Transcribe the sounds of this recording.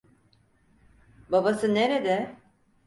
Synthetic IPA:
babasɯneɾed̪ɛ

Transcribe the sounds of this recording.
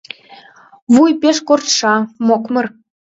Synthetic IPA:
vujpʲeʂkort̪ʂɑmokmɤ̆r

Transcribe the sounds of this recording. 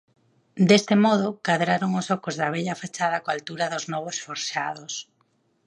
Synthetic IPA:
d̪est̪ɪmɔð̞ʊkaðɾaɾoŋʊsɔkozðɐβ̞eʎafat͡ʃaðɐkoalt̪uɾɐðʊznɔβosfoɾʃað̞ʊs

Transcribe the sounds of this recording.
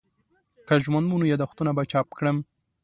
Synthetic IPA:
kaʒmand̪munujɑd̪axt̪unabat͡ʃɑp̚kɽəm

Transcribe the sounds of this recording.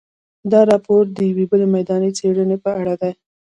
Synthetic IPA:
d̪ɑɾɑpoɾd̪əjawebəlemajd̪ɑnet͡seɽənepəaɽad̪aj

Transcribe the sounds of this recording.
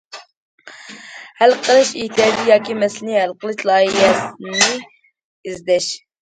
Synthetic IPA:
hɛlqʰəlˠɨʃiht̪ʰijɑːd̪ijɑːkʲimɛslɪnɪhɛlqəlˠɨʃlˠɑːjiɦɛnɪ | izd̪ɛʃ

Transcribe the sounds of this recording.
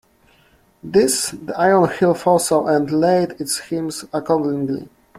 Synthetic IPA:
ðɪsðiʔajənhilfɔlˠsoʊʔɛ̃ndleɪdɪtshĩmsakɔɹdɪ̃ŋɡlḭ

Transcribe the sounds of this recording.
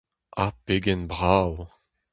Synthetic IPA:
apeɡɛnbʁaw

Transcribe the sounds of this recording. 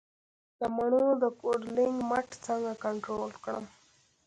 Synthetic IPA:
d̪̥əmaɳod̪əkoɖlɪŋɡmaʈt͡səŋɡakaɳʈɾolkɽə̰m

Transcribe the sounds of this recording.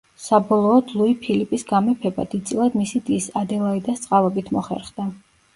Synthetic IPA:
sabɔlˠɔːd̪lˠuipʰilipʼisɡamɛpʰɛba̰d̪id̪t̪sʼilˠad̪misid̪isad̪ɛlˠaid̪ast̪sʼqʼalɛbit̪ʰmɔχɛ̰ɾχd̪a

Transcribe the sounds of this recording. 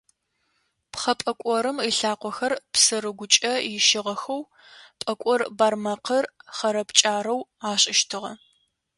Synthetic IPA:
pχɐpʼɐkʷʼɔɾɨmiɬaːqʷɔxɐrpsɨɾɨɡʷʊt͡ʃʼɐjɪʃɪʁɐxɐw | pʼɐkʷʼɔrbaːrmɐqɐrχɐɾɐpt͡ʃʼaːɾɐwaːɕʼɪʃtʰɨʁɐ

